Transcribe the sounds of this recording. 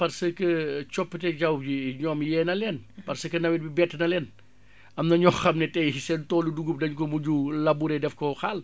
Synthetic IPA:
pɐrsəkət͡ʃɔpːətɛd͡ʒɐwd͡ʒiɲɔːmjɛːnɐlɛnpɐrsəkənɐwɛtbibɛtːnɐlɛːn | ʔɐmnɐɲɔxxɐmnɛtɛsɛntɔːluduɡup̚dɐɲkɔmuɟulɐbuɾɛdɛfkɔxal

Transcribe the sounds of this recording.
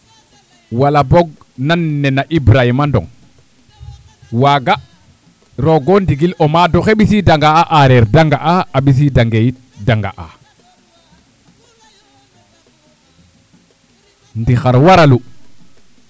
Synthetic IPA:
walaboɡ̚ | nanːɛnaʔibɾahimandɔ̰ŋ | waːɡa | ɾoɡondiɡilomadoxeɓisidaŋɡaaʔaɾeɾdaŋɡaʔaaɓis̬idaŋɡejit̚ | daŋɡa̰ʔa̰ | ndixaɾwaɾalu

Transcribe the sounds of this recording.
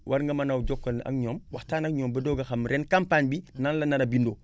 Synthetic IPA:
wʔaɾŋɡɐmanawd͡ʒokːɐna̰ŋɲomwaxtaːnakɲoːmbɐdoɡaxamɾenkampaɲbinanlanaɾabindo

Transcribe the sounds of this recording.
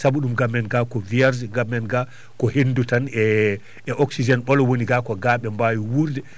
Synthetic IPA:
sabuɗumɡamːɛnɡakɔviaɾzɡamːɛnɡa | kɔhendutanɛ | ɛʔɔksid͡ʒɛnɓɔlɔwoniɡakɔɡaːɓɛmbawiwuɾdɛ

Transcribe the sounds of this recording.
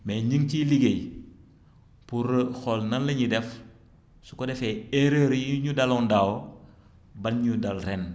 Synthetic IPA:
mɛːɲiŋciliɡej | puɾəxɔlnɐnlːɐɲidɛf | su̥kɔdɛfɛeɾəːɾjiɲudɐlɔndaw | bɐnɲudɐlɾɛn

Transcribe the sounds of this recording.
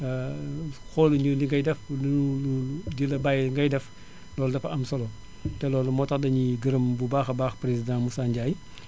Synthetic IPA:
xɔluɲuliŋɡɐjdɛflnuludilɐbajŋɡɐjdɛf | lɔːldɐfɐɐmsɔlɔ | tɛlɔːlumɔːtɐxdɐɲiɡəɾəmbubaːxɐbaːxpɾezidãːmusaːɲɟaːj

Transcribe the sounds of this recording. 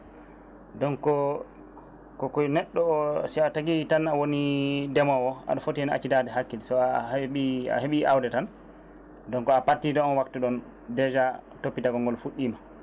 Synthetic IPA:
dɔnkɔ | kɔkɔjnɛɗːɔsiataɡitanawonidɛmɔwɔa̰ɗɔfotiɛna̰t͡ʃidadɛɦakːilsɔaɓia̰ɦeɓiawdɛtan | dɔnkɔapatːidɔɔnwaktuɗɔn | dɛd͡ʒa | topːitaɡɔŋɡɔlfuɗːima

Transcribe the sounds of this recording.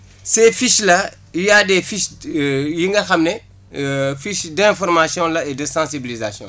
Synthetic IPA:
sɛfiʃlɐ | jaːdɛfiʃjiŋɡɐxɐmnɛ | fiʃdɛ̃fɔɾmasjɔ̃lɐedəsãsibilizasjɔ̰̃

